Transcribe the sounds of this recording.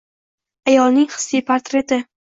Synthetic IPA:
ajɒlˠnɪŋχɨ̥sːijpʰaɾt̪ɾe̞t̪ɪ

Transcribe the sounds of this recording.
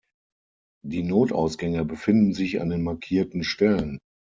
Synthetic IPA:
d̥iːnoːtʔa̰ʊsɡ̥ɛŋəbəfɪndn̩zɪça̰ndeːnmaɐkʰiːɐtn̩ʃtɛlən

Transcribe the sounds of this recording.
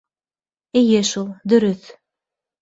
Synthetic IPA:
ejɘʃulˠd̪ɵ̆ɾɵθ

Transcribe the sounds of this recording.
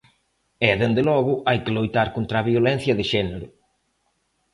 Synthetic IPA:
ɛðend̪ɪlɔɣʊʔajkɪlojt̪aɾkont̪ɾaːβiolɛn̟θjɐðɪʃɛneɾʊ

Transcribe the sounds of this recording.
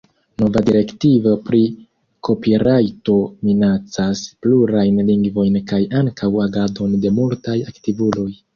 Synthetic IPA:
no̞vadiɾe̞ktivopɾi | kʰo̞piɾajto̞minat͡saspluɾajnliŋɡvo̞jnkajaŋkʰawaɡado̞nde̞multajaktivulo̞j

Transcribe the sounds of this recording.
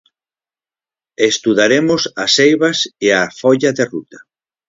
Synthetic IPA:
est̪uðaɾemosasejβaseafɔʎaðerut̪ḁ

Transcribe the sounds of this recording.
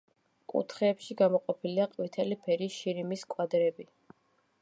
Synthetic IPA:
kʼṵt̪ʰχɛːpʃiɡamɔqʼɔpʰiliaqʼwit̪ʰɛlipʰɛɾiʃiɾimiskʼwad̪ɾɛbi

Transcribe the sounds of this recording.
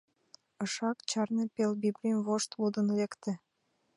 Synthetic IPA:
əʃɑkt͡ɕɑrnepelbiblʲimvoʃt̪lud̪ənlekt̪ĕ

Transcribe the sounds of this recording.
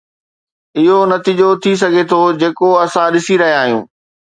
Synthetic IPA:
ɪɦonɐt̪iːd͡ʑot̪ʰis̬ɐɡʱet̪ʰod͡ʑeːkoɐsãɗɪsiɾɐɦijaːɦjṵ̃ː

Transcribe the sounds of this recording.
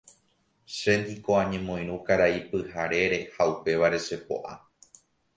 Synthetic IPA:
ʃe̞nd̪ikoãɲẽ̞mõ̞ĩj̃ɾũkaɾaipɨhaɾe̞ɾe̞haupe̞ʋaɾe̞ʃe̞po̞̰ʔa̰

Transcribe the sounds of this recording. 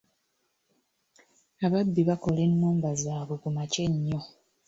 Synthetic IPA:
aβabːiβako̞le̞nːuːmbazaːβukumace̞ɲːo

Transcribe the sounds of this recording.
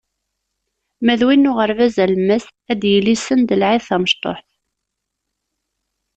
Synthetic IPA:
mæðwinːʊʁəɾvæzælməs | æd̪jəlːisənd̪əlʕɪðθæməʃt̪ˤo̰ħθ

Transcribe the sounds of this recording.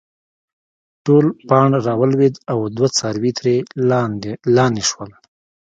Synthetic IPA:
ʈolpɑɳɾɑwəlwed̪awd̪wat͡sɑɾwit̪ɾe | lɑniʃwəl

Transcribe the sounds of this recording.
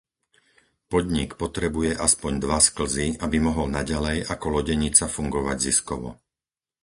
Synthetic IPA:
pɔd̪ɲikpɔt̪ɾɛbujɛʔaspɔɲd̪ʋaskl̩ziabimɔɦɔlnaɟalɛjakɔlɔɟɛɲit͡safuŋɡɔʋaɟziskɔʋɔ̰

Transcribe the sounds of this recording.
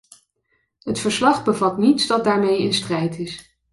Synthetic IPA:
ɦətfəɹslɑχbəvɑtnitsdɑt̚daːɹmejɪnstrɛjtɪs

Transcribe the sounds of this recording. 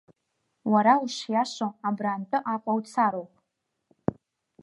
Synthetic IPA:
waɾauʂjaʂoabraːntʼɨʔaqʷʼawt͡sʰaɾowpʼ

